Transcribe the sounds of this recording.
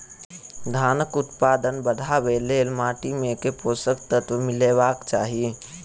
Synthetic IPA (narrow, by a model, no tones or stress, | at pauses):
d̪ʱaːnəkʊt̪paːd̪ənbəd̪ʱabeleːlmaːʈimẽkepoːsəkt̪ət̪ʋəmɪleːʋaːkt͡ʃaːɦie